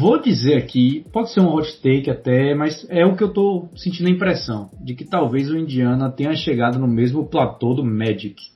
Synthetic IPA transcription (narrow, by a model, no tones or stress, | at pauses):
vod͡ʒizeɾakipɔdɪseɾũɐɦot͡ʃt̪ejkɪat̪ɛmɐjsɛʊkɪewt̪osẽnt͡ʃĩd̪ɐĩpɾɛsɐ̃w̃d͡ʒɪkɪt̪awvejzʊĩnd͡ʒiɐ̃nɐt̪ẽjɲɐʃeɡad̪ɐnʊmezmʊplat̪od̪ʊmɛd͡ʒik